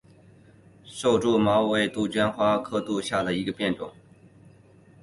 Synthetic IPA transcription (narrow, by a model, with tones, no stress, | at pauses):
ʂo˥˧ʊʈ͡ʂu˥˩mɑ˧˥ʊwe˧˥ɪt̪u˥˩t͡ɕɥɛ˥nxwa˥kʰɤ˥t̪u˥˧ɕja˥˩d̪ə˩i˧˥ɡə˧pjɛ˥˩nʈ͡ʂʊ̰˨˩˦ŋ